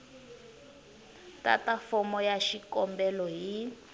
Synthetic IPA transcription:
ta̰tafɔmɔjaʃikɔmbɛlɔɦi

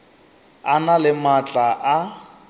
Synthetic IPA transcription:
analɪmat͡ɬʼaʔa

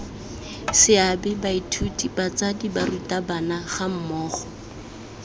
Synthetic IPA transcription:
sɪabɛbaitʰutibat͡sadibarutabanaχam̩mɔːχɔ

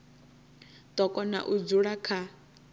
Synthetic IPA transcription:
t̪ʼɔkʼɔna̰ʔud͡zuɺakʰa

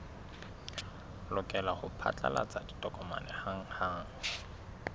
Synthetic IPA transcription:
lʊkʼɛlaχʊpʰa̰t͡ɬʼa̰la̰t͡sʼaditʼɔkʼɔma̰nɛhaŋ̩haŋ̩

